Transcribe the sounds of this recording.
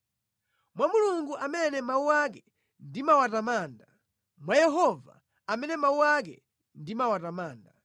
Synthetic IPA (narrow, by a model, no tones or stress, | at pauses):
mwamuluŋɡuʔamɛnɛmauwak̬ɛ | ndimawatamaːnda | mwajɛɦɔva̰ | amɛnɛmauak̬ɛ̰ | ndimawatamaːnda